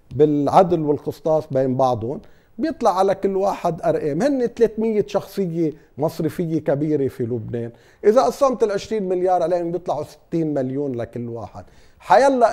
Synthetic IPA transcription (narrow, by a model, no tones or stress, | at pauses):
bɪlʕad̪lwɪlqɨsˤt̪ˤɑːsˤbeːnbɑʕd̪ˤʊn | bjɨt̪ˤlɑʕːalakɪlːwaːħɪd̪ʔaɾˤʔeːmhɪnːet̪leːt̪mɪjːeʃɑxsˤɨjːe | mɑsˤɾɪfɪjːekabiːɾefilʊbneːn | ʔɪzaʔɑsˤːɑmt̪ɪlʕɪʃɾiːnmɪljɑːɾˤʕaleːhʊmbjɨt̪ˤlɑʕusɪ̥t̪ːiːnmaljuːnlakɪlːwa̰ːħɪ̰d̪̚ | ħajalːa